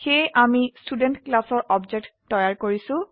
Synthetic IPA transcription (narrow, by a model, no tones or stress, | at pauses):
xejʔamistudentklasɔɹʔɔbd͡ʒek̚ttɔjaɹkoɹisʊ̃